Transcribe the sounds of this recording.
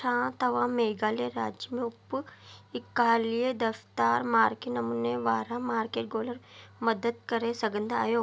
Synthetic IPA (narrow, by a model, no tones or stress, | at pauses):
ãːt̪ɐʋãːmeːɡaːleɾaːd͡ʒjəmẽʊpː | ɪkaːlijed̪ɐft̪aːɾmaːɾkeʈnɐmuːneʋaːɾamaːɾkeːʈ̚ɡoːləɾmɐd̪əd̪̚kɐɾẽsɐɡə̃nd̪ʱa̰ːjoː